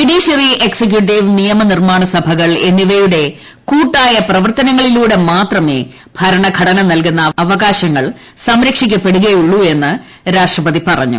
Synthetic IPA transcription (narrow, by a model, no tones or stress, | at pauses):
piɽiːɕɐriʔeksek̬juʈ̬ːiʋnijɐmɐnirmaːɳɐsɐbʱɐɣɐɭe̞nːiʋɐjuɽe̞ | kuːʈːaːjɐprɐʋɐrt̪ɐnɐŋːɐɭiluːɽe̞maːt̪rɐme̞̰ː | b̥ʱɐɾɐɳɐɡʱɐɽɐnɐmnɐlkunːɐɐʋɐɣaːɕɐŋːɐɭ | sɐmɾɐkʂikʲːɐpːe̞ɽuɣɐjuɭːue̞nːɨ | ɾaːʂʈrɐpɐðipɐrɐ̰ɲːṵ